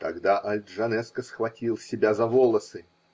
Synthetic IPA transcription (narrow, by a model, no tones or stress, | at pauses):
t̪ɐɡd̪aʔɐlʲd̪ʐɐnɛskəsxvɐtʲilˠsʲɪbʲazɐvolˠəsɨ